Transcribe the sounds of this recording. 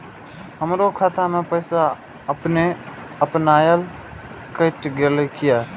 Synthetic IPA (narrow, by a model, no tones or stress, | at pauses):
həmɾokʰat̪ʰamẽpəɪsa | əpne | əpnaːjəl | kəʈɡelekɪja